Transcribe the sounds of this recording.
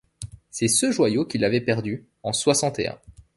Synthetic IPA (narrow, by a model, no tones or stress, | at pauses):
sɛsəʒwajokʲilavɛpɛʁd̪y | ɑ̃swasɑ̃t̪eɛ̰̃